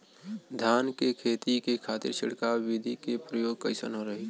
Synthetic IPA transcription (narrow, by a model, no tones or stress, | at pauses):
d̪ʱjaːnkekʰeːt̪ikekʰaːt̪ɪ̰ɾʃʰɪɽkaːid̪ʱikepɾəjoːɡ̚kəɪsə̰nɦoɾəɦi